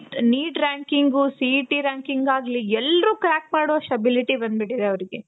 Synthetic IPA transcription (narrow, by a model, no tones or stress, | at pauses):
niːʈɾaːŋkiŋɡusiʈiɾaːŋkiŋɡaːɡliɛlːɾuːkɾaːk̚maːɽoːsʈɐbiliʈibɐnd̪biʈid̪eɐʋɐɾiɡe̞